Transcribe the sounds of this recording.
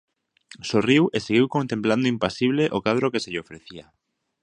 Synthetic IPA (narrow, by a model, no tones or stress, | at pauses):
soriweseɣ̞iwkont̪empland̪oimpasiβ̞leʔokað̞ɾokeseʎeofɾeθia